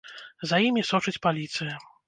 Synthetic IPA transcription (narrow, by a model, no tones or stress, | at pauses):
zɐjimʲisɔt͡ʂɨt͡sʲpalʲit̪sɨjɐ